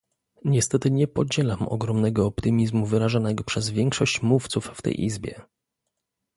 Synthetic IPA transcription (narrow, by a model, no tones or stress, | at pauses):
ɲɛst̪ɛt̪ɘɲɛpɔd͡ʑɛlamɔ̰ɡɾɔmnɛɡɔːpt̪ɘmʲizmuvɘɾaʐanɛɡɔpʂɛzvʲjɛŋkʂɔɕt͡ɕmuft̪sufft̪ɛ̰jʔḭzbʲjɛ̰